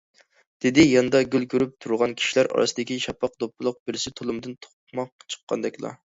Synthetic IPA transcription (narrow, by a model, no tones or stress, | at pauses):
d̪̥ɪd̪ɪjɑnd̪ɑɡʲylkʲʰøɾyp̚t̪ʰuɾʁɑnkʲʰi̥ʃilæɾʔɑ̰ɾʔɑ̰sɨd̪ɪkʲiʃɑpːɑq̚d̪opʰːɨlˠʊq̚bɪɾɪsɪt̪ʰolˠɨmd̪ɨnt̪ʰo̥q̚mɑq̚t͡ʃʰə̥qʰːɑ̰nd̪ɛkʲlˠɑ̰